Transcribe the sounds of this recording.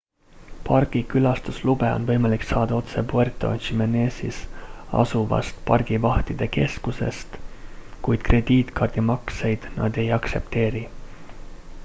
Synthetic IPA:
pɑrɡ̥ikylɑst̪uslube̞o̞̰nvɤ̞jmɑliksɑːd̪̥ɑo̞t̪se̞pue̞rt̪ːˑo̞̰nɕimene̞ːsisɑ̰suvɑ̰st̪pɑrɡ̥ivɑht̪id̪̥e̞ke̞skuse̞̰st̪kujd̪̥̚kre̞d̪̥iːt̪kɑrd̪̥imɑkse̞jd̪̥nɑ̰d̪̥e̞jɑkse̞p̚t̪e̞ːɾi

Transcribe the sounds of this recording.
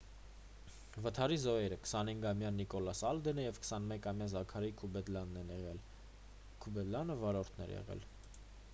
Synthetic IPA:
vət̪ʰɑɾizɔɛɾəkə̥sɑnhiŋɡɑmjɑnikɔlɑsɑld̪ɛnəjɛvkʰə̥sɑnmɛkɑmjɑzɑkʰɑɾikʰubɛd̪lɑnːɛnɛʁɛl | kʰubɛd̪lɑnəvɑɾɔɾt̪ʰnɛ̰ɾjɛ̰ʁɛ̰l

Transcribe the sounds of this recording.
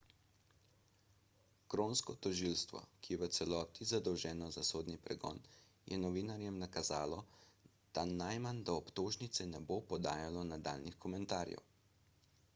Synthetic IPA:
kɾonskɔt̪ɔʒilst̪ʋɔ̰kijɛʋət̪sɛlɔːt̪izad̪ɔwʒɛːnɔzasoːd̪nipɾɛɡɔ̰ːn | jʔɛnɔʋinaɾjɛmnakazaːlɔ | d̪̥anajmand̪aɔpt̪oːʒnit̪sɛnɛbopɔd̪aːjalɔnad̪a̰ːlnixkɔmɛnt̪aːɾjɛ̰w

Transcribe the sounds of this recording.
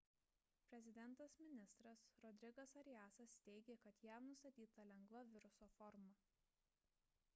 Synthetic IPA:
pʲɾʲɛzʲɪd̪ʲɛnˑt̪ɐsmʲɪnʲɪst̪ɾɐsɾɔd̪ʲɾʲɪɡɐsɐɾʲjæːsɐst̪ʲɛɪɡʲeːkɐt̪jæmnʊst̪ɐt̪ʲiːt̪ɐlʲɛŋɡʋˠɐʋʲɪɾʊsoːfɔɾmɐ

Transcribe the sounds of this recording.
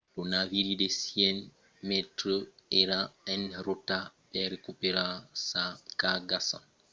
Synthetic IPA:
donaviɾidesiɛn | mɛtɾəeɾaɛnɾotapɛɾekupeɾasakaɡasa̰n

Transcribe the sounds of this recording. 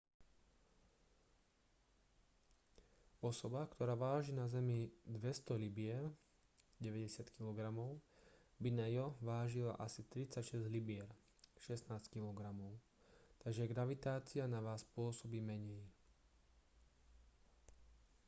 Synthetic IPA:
ɔsɔbakt̪ʰɔɾaːʋaːʒinazɛmid̪ʋɛst̪ɔlibɪɛɾ | ɟɛʋɛɟɛsɪat̪kilɔɡɾamɔʊ | binajɔʋaːʒila̰ʔasit̪ɾit͡sacʃɛzɟlibɪɛɾ | ʃɛsnaːsckilɔɡɾamɔʊ | t̪aɡʒɛɡɾaʋit̪aːt͡sianaʋaːspʊɔsɔbimɛɲɛj

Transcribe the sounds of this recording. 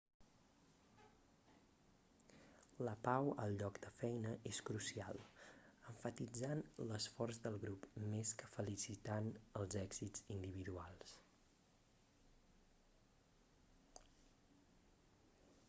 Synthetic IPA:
ləpawə̰lˠʎɔkd̪̥əfɛjnəʔeskɾusia̰lˠəɱfət̪id͡zanləsfɔrzðəlˠɣɾupmeskəfəlisit̪anəlˠzɛɡz̥id͡zind̪iβiðualˠs

